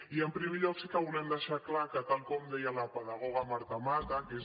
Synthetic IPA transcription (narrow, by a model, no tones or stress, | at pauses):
iəmpɾimiʎosikəβulɛmd̪eʃaklakət̪alkomd̪ejalapəðaɣ̞oɣ̞amaɾt̪amaɾt̪akes